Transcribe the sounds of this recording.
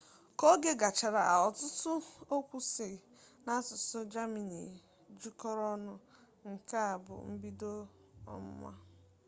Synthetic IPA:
kɔ˦ɡe˦ɡa˨t͡ʃa˨ɾa˨ʔa̰˨ɔ˨tʊ˦tʊ˦o˦kʷu˦se˨ | na˦sʊ˨sʊ˦d͡ʒa˦mi˨nḭ˨ | d͡ʒu˦kɔ˦ɾɔ˦nʊ˦ | ŋ̩˨ka˦a˨bʊ̰˨m̩˦bi˦do˦ | ɔ̰˦m̩˦mʷa̰˦

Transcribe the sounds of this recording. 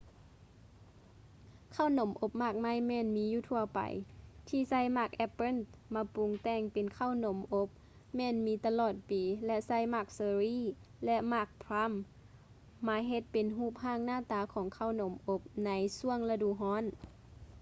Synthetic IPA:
kʰaː˧˥˨wno˨˦mʔo˧˥p̚maː˧˩k̚maː˧˥˨jmɛː˧˥˨nmiː˨˦juː˧˨t̪ʰu˧˩ɐpa̰˨jt̪ʰiː˧˩sa˧˥˨jmaː˧˩k̚ʔɛ˧pːe˧˥˨nmaː˧˥pu˨˦ŋt̪ɛː˧˩ŋpe˨nkʰa˧˥˩wno˨˦mʔo˧˦˥p̚ | mɛː˧˨nmiː˨˧˥t̪a˧lɔː˧˩t̪̚piː˨lɛ˧sa˧˥˨jmaː˧˩k̚seː˧˦ɾiː˧˥˨lɛ˧ʔmaː˧˩k̚pʰɾa˧˥˨mː | aː˨˦jɦe˧t̪̚pe˨nɦuː˧˥˩p̚haː˧˥˨ŋnaː˧˨t̪aː˨˧˦kʰɔː˨˦ŋkʰa˧˩wno˨˦mʔo˧˥p̚na˨˧˦jsu˧˩əŋla˧duː˨˦ɦɔː˧˥˨n

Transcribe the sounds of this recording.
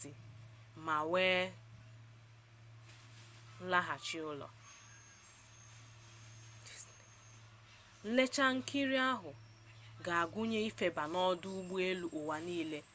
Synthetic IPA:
i˨ | ma˨weː˦ | n̩˦la˦ɦa˨t͡ʃɪ˦ʊ˦lɔ̰˨ | le˦t͡ʃa˦ŋ̩˦ki˦ɾi˦a˦ɦʊ˨ | ɡa˨a˨ɡʷʊ˦ɲe˦i˦fe˨ba˨nɔ˦dʊ˦u˦ɡ͡bu˦e˦lu˨ʔʊ˨wa˨niː˦le˦

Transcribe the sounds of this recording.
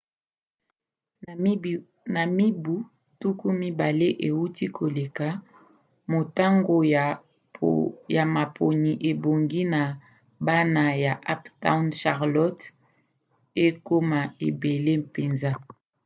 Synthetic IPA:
na˨mi˦bu˦ | tu˦ku˦mi˦ba˨le˦ʔe˨wu˦ti˦kʰo˨le˨ka˨˦ | mo˨ta˦ŋɡo˨ | ja˨ma˨pʰo˨ni˨ʔe˨bo˨ŋɡi˦na˨ | ba˦na˨ja˨ʔa˦pta˦wnʃa˨ʁlɔ˦t | e˦ko˦ma˨e˨be˨le˦pe˨nza˦

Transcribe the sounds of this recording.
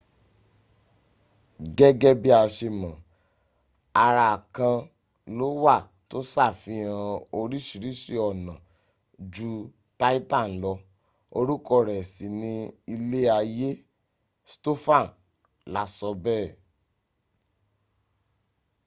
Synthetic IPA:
ɡɛ˦ɡɛ˦bi˦a˧ʃe˧mã˨ | a˧ɾa˧a˨kã˧ | lo˦wa˦˨ | to˦sa˦˨fĩ˧˦ã˧o˧ɾi˦ʃi˨ɾi˦ʃi˧ɔ˨nã˨ | d͡ʒu˦ | ta˦i˦ta˦˨n̩˨˦lɔ˧ | o˧ɾu˦kɔ˦˧˨ɾɛ˨si˨nĩ˧i˧le˦a˧je˦ | sto˦fã˦˨ | la˨˦sɔ˧bɛː˦˨

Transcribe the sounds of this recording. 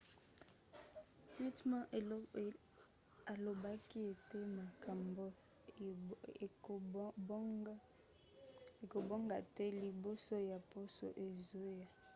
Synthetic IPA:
wi˦tmã˦ʔe˨˦ | a˨lo˨ba˦ki˦e˨te˦ma˨ka˨mbo˦˨ | e˨ko˨bo˦ŋɡa˨tɛ˦li˨bo˦so˦ja˨po˦so̰˨ʔe˨zo˦ja˦

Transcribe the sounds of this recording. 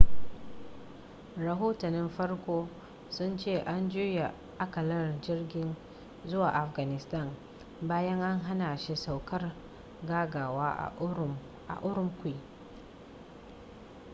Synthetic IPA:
ɾɐ˨ɦoː˦tɐ˨nɪ˦mɸɐ˦rkʷoː˦ | sʊ˦nt͡ʃeː˦˨ʔa˦nd͡ʒuː˦ja˨ | ʔa˦kɐ˨lɐ˦rd͡ʒɪ˦rɡʲɪ˦n | zʊ˦waː˨ʔa˨fɡa˨nɪ˨sta˦˨n | baː˦jɐ˦ŋʔa˦ŋɦa˦naː˨ʃi˦sa˨wkɐ˦r | ɡaː˦ɡaː˨waː˦ʔ | ʔa̰˨ʔʊ˦ɾʊ˦mkʷi˦˨

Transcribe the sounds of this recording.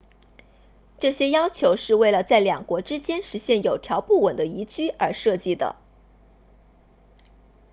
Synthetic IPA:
ʈ͡ʂɤ˥˩ɕjɛ˥jɑ˥ʊt͡ɕʰjo˧˥ʊʂɻ̩˥˧we˥˩ɪlə˩t͡sa˥˩ɪljɑ˨˩ŋkwɔ˧˥ʈ͡ʂɻ̩˥t͡ɕjɛ˥nʂɻ̩˧˥ɕjɛ˥˩njo˨˩ʊt̪ʰjɑ˧˥ʊpu˥˩wə˨˩nd̪ə˦i˧˥t͡ɕy˥ə˞˧˥ʂɤ˥˧t͡ɕi˥˩d̪ə̰˩

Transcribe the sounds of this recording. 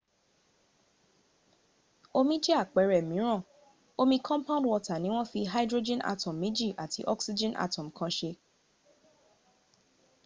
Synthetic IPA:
o˧mĩ˦d͡ʒe˦a˦˨k͡pɛ˨ɾɛ˨mĩ˨˦ɾ̃ã˦˨ | o˧mĩ˧kʰɔ̃˦mpã˦dwɔ˧ta˨nĩ˨˦w̃ɔ̃˦fi˧ɦa˦dɾo˧d͡ʒɛ̃˦na̰˧tɔ̃˨mːĩ˨˦d͡ʒi˦˨ʔa˨tʰi˧˦ʔɔ˦ksi˧d͡ʒɛ̃˦nʔa̰˧tɔ̃˨m̩˨kã˧ʃe˧

